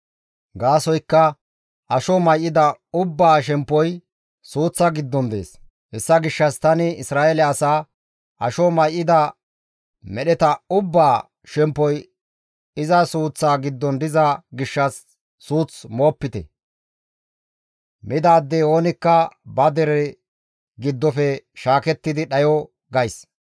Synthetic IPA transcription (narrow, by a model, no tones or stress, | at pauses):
ɡaːsɔjkːɐ | ʔɐʃɔmɐjʔɪd̪ɐʊbːaːʃ̬ɛmpːɔj | suːt͡sːɐɡɪd̪ːɔnd̪e̞̰ːs | hɛsːɐɡɪʃːɐst̪ɐnɪɪsɾaːɛlɛɐsaː | ʔɐʃɔmɐjʔːɪd̪ɐ | mɛɗɛt̪ɐʊbːaː | ʃɛmpːɔj | ɪzɐsuːt͡sːaːɡɪd̪ːɔnd̪ɪzɐɡɪʃːɐsː | uːt͡smo̞ːpːɪt̪ɛ̰ | mɪd̪aːd̪ːeo̞ːnɪkːɐbɐd̪ɛɾɛ | ɡɪd̪ːɔfɛʃaːkɛt̪ːɪd̪ɪɗɐjɔ | ɡɐjs